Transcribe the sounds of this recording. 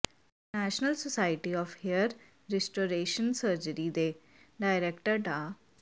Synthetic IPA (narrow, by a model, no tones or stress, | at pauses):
næːʃnəlsosaːɪʈiɔːfhiəɾ | ɾɛsʈoːɾeːʃə̃nsəːɾd͡ʒəɾid̪eː | ɖaːɪɾɛkʈəɾɖaː